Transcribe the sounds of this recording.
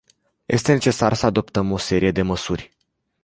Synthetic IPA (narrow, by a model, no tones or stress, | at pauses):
jʔe̞̰st̪e̞ne̞t͡ʃe̞sarsəad̪o̞pt̪əmo̞se̞ɾije̞d̪e̞məsurʲ